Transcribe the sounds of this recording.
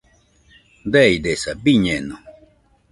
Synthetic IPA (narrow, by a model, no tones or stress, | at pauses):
d̪ɛid̪esabiɲɛno